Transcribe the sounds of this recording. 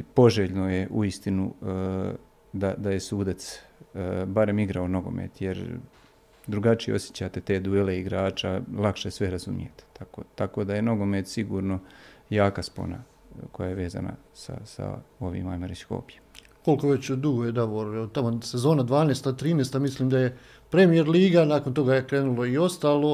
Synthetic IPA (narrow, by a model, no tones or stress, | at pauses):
po̞ʒeːʎno̞jeʔuist̪inu | d̪ad̪aje̞suːd̪at̪s | baɾe̞miɡɾaono̞ɡo̞̰mḛt̪jeɾ | d̪ɾuɡat͡ʃijḛo̞sjet͡ɕat̪et̪e̞ːd̪uele̞iɡɾaːt͡ʃalˠakʃesʋe̞ɾazṵmḭjet̪e̥t̪ʰakoːt̪ako̞d̪aje̞no̞ɡo̞met̪siɡuːɾno̞jaːkaspo̰na̰ | ko̞jajeʋe̞ːza̰na̰ | sa̰sa̰o̞ʋḭːmajmeɾesko̞̰ːpjem | ko̞lkoʋet͡ɕd̪uɡojed̪aʋoɾot̪amosezo̞ːnad̪ʋaːnest̪at̪ɾiːnest̪amisliːmd̪aje̞ | pɾe̞mijeɾliːɡanaːkont̪o̞ɡajekɾeːnulo̞io̞st̪aːlo̞